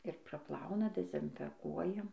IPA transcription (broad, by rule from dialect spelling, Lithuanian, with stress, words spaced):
ɪr prɐˈplˠɐʊnɐ dʲɛzʲɪnʲfʲɛˈkuɔjɛ